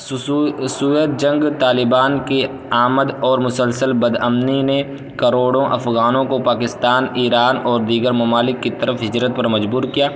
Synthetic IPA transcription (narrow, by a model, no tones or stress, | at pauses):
suːjəd̪̚d͡ʒɐ̃ŋɡt̪aːlɪbaːnke | aːməd̪ɔːɾmʊsəlsəlbɐd̪əmnine | kɐɾoːɽõʔɐ̰fɣaːnõkopaːkɪst̪aːniːɾaːnɔːɾd̪iːɡəɾmɐmaːlɪkːit̪ɐɾəfɦɪd͡ʒɾət̪̚pɐɾmɐd͡ʒbuːɾkijaː